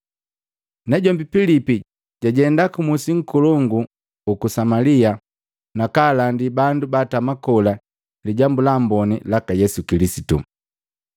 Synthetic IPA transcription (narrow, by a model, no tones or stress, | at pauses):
nɛɟɔmbipilipi | ɟaɟɛndakumusiŋ̩kulɔŋɡu | ukusamalia | nakaːlandibandubatamakɔla | liɟambulambɔnilakajɛsukilisitṵ